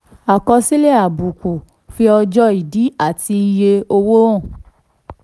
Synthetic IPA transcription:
a˨kɔ˧si˦le˦˨a˨bu˨ko˨ | fi˧ɔ˧d͡ʒɔ˦i˨di˨˦a˦˨ti˧i˧je˧o˧wo˦ɔ̃˦˨

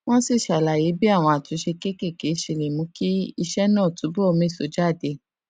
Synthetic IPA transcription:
w̃ɔ̃˦si˦˨ʃa˨la˨je˨˦bi˦a˦˨w̃ɔ̃˧a˨tũ˨˦ʃe˧ke˦ke˦˨ke˨˦ʃi˧˨le˨mũ˨˧˦ki˦i˧ʃɛ˦nãː˦˨tu˨˦bo˦o˧mĩ˨˦˨so˨˦d͡ʒa˦˨de˧˦

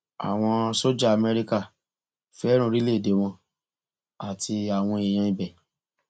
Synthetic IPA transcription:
a̰˨w̃ɔ̃˧so˦d͡ʒa˦˨a˨mɛ˧ɾi˧ka˦˨ | fɛ˦ɾ̃ũ˦˨ɾi˦le˦˨de˨˦w̃ɔ̃˧ | a˦˨tʰi˧a˨w̃ɔ̃˧e˨j̃ã˧i˨bɛ˨

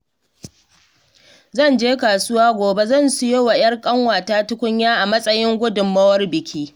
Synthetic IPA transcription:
zɐ˦˨nd͡ʒeː˦kaː˨sʊ˦waː˦ɡʷoː˨be˦zɐ˦˨nsʊ˦je˦wɐ˨j̰ɐ˦rkʼɐ˦ŋwaː˨taː˦tʊ˦kʷʊ˦ɲjaː˦ʔa˨mɐ˦sʼɐ˦jɪ˦ŋɡʷʊ˦dʊ˨mːɐ˦wɐ˦rbɪ˨kʲʰiː˦

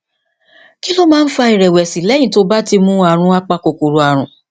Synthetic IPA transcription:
ki˦lo˦mãː˦n̩˦fa˧i˨ɾɛ˨wɛ˨si˨lɛ˨˦j̃ĩ˧˦to˧ba˦ti˧mũ˦a˧˨ɾ̃ũ˧˦a˦k͡pa˧ko˨ko˨ɾo˨a˨ɾ̃ũ˨

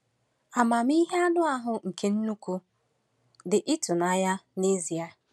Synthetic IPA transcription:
a˨ma˨m˦i˦ɦe˦a˦nʊ˦a˦ɦʊ˨ŋ̩˨ke˨n̩˦nu˦kʷu˦ | dɪ˨ʔɪ˦tʊ˨na˦ja˦ne˦zi˨a˨

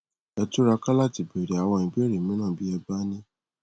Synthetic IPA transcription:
ɛ˧tu˦ɾa˧ka˦la˦˨ti˨be˨ɾe˨a˨w̃ɔ̃˧ĩ˧be˦ɾi˨mĩ˦nã˦˨bi˦ɛ˧ba˦nĩ˦

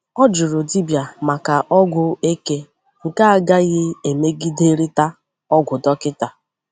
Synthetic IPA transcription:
ɔ˦d͡ʒʊ˨ɾʊ˨di˦bja˨ma˨ka˨ʔɔ˦ɡʷʊ˦e˦ke˦ | ŋ̩˨ka˦a˦ɡa˦ɣɪ˦e˨me˦ɡi˦de˦ɾɪ˦ta˦ | ɔ˦ɡʷʊ˨dɔ˦kɪ˦ta˨

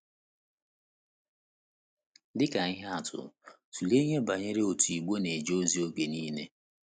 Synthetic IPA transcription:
dɪ˦ka˨ɪ˦ɦa˦a˨tʰʊ̰˨ | tu˨le˦ɲe˦ba˨ɲe˦ɾe˦o˨tu˨i˨ɡ͡bo˦ne˨d͡ʒo˦zi˦o˦ke˨niː˦ne˦

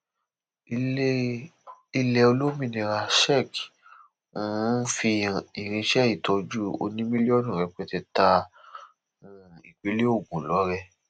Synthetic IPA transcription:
i˧lɛ˧o˧lo˦mĩ˧nĩ˧ɾa˧ʃɛ˦˨k | ũ˨˦fi˧i˨ɾ̃ĩ˧ʃɛ˦i˦˨tɔ˧d͡ʒu˦o̰˧nĩ˦mĩ˦li˦ɔ˦nũ˨ɾɛ˧k͡pɛ˧tɛ˧ta˧ | ũ˦˨i˨k͡pe˨˦le˦o˦˨ɡũ˨lɔ˨˦ɾɛ˧

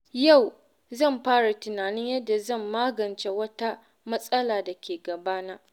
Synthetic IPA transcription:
ja˦˨w | zɐ˦˨mɸaː˦ɽa˨tɪ˨naː˨nɪ˦ɲjɐ˦dːa˨zɐ˦˨mːaː˦ɡɐ˨nt͡ʃe˦wɐ˦ta˦ | mɐ˦sʼɐ˦laː˨da˨kʲeː˨ɡɐ˨baː˦naː˦ʔ

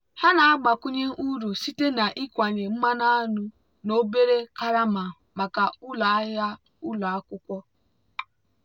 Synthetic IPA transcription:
ha˦na˨a˦ɡ͡ba˨kʷu˦ɲe˦ʔu˦ɾu˨si˦te˦na˨ʔi˦kʷa˨ɲe˨m̩˦ma˦na˦a˦nu˦ | no˦be˦ɾe˦ka˦ɾa˦ma˨ | ma˨ka˨u˦la˨a˦ɦa˦ | u˦la˨a˦kʷʊ˦kʷɔ˦

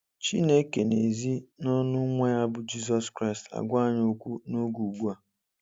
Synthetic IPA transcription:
t͡ʃi˦ne˦ke˨ne˨zi˦nɔ˦nʊ˦ŋʷa˦ja˦bʊ˨d͡ʒi˦s̬ɔ˦skɾa˦ɪ˨sta̰˨ɡʷa˦˨ɲ˦o˦kʷu˦no˦ɡu˨ɡu˦a˨

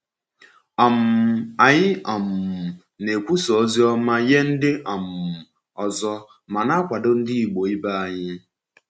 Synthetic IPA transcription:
a˨m̩˨a˨ɲɪ˦ʔɔ˨m̩˨ | ne˨kʷu˦sɔ˨˦zi˦ɔ˦ma˦je˦n̩˦dɪ˦ʔa˨m̩˨ | ɔ˨zɔ˦ | ma˨na˦kʷa˨dʊ˦n̩˦dɪ˦i˨ɡ͡bo˨i˦ba˦a˨ɲɪ˦

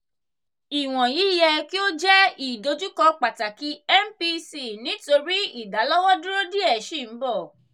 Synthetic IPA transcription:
i˨w̃ɔ̃˨ji˨˦jɛ˧ki˦o˦d͡ʒɛ˦i˨do˧d͡ʒu˦kɔ˧k͡pa˨ta˨ki˨˦ɛ˦m˦pi˧si˦˨nĩ˨˦to˧ɾi˦i˦˨da˨˦lɔ˦wɔ˦dũ˦ɾo˦di˦ɛ˦˨ʃi˦˨m̩˨˦bɔ˦˨

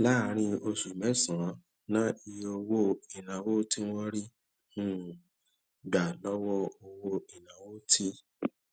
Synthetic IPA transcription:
la˦˨ɾ̃ĩ˧o˧su˨mɛ˨˦sã˨˦ | nã˦i˧o˧wo˦i˨nã˨wo˦ti˦w̃ɔ̃˦ɾi˦ | nũ˦ | ɡa˨lɔ˦wɔ˦o˧wo˧i˨nã˨wo˦tʰi˦

